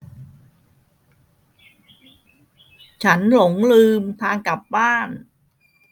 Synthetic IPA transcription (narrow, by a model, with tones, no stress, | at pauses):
t͡ɕʰa˦˥nlo˩˦ŋlɯː˧mt̪ʰaː˧ŋka˨˩p̚baaː˥˩n